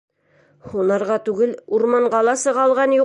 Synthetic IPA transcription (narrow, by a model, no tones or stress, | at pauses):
hunɑɾʁɑt̪ʉɡɘluɾmɑɴɢɑlˠɑsɤ̆ʁɑlˠʁɑnju